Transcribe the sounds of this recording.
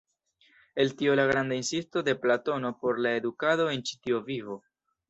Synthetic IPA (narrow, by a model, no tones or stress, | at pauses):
e̞ltio̞laɡɾand̪ainsisto̞de̞plato̞no̞po̞ɾlae̞dukado̞e̞nt͡ʃi̥tio̞vivo̞